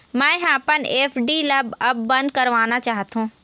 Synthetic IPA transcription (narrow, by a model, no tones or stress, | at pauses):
mãːɦaːpəneːfɖilɐbɐb̚ːɐ̃nd̪̚kɐɾʋaːnat͡ɕaːɦt̪ũː